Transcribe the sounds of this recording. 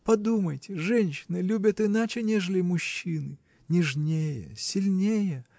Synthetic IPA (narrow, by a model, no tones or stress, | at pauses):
pɐd̪uməjtʲɪʐɛnʲɕːɪnɨlʲubʲət̪ɪnat͡ɕɪnʲeʐəlʲɪmʊɕːinɨ | nʲɪʐnʲejə̰sʲɪlʲnʲejə